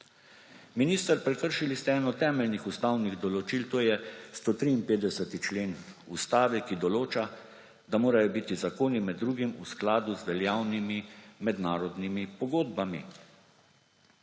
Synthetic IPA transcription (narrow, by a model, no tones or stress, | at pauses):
miniːst̪əɾpɾɛkəɾʃilist̪ɛɛːnɔt̪ɛːmɛlnixust̪awniɣd̪ɔlɔt͡ʃilt̪oːjɛst̪ot̪ɾiːnpeːd̪ɛsət̪it͡ʃleːn | ust̪aːʋɛkid̪ɔloːt͡ʃa | d̪amoːɾajɔbiːt̪izakoːnimɛd̪ːɾuːɡimusklaːd̪uzʋɛljaːwnimimɛd̪naːɾɔd̪nimipɔɡoːd̪bamḭ